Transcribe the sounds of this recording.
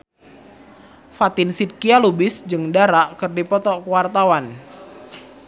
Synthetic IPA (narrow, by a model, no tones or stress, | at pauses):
fat̪ɪnsit̪̚kialubɪsd͡ʒɨŋdaɾaʔkɨrdipɔt̪ɔkəwart̪awan